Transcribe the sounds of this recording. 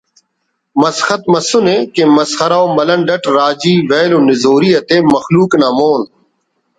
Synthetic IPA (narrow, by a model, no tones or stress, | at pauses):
mɐsxɐt̪̚mɐsʊneːkẽmɐsxɐɾaːomɐlɐnɖɐʈɾaːd͡ʒiːʋeːlõnɪzoːɾiːɐt̪eːmɐxluːknãːmoːn